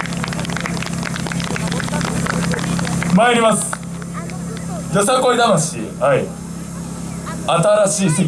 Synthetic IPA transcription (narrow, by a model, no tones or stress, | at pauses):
maiɾʲimasɨ̥ | josakoid̪amaɕḭhai | at̪aɾaɕiːse